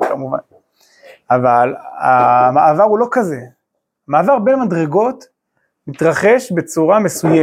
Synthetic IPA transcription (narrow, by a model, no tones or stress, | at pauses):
kamuva̰n | avala̰maʔavaʁulo̞kaze̞ | amaːvaʁbenmadʁe̞ɡo̞t | mit̪ʁaχe̞ʃbe̞t͡suʁame̞suje